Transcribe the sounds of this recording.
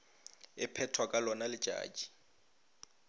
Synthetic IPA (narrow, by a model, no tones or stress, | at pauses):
ɪpʰɛtʰwakʼalɔnalɪ̥ʒ̥ʱʼa̰ːd͡ʒʼi̥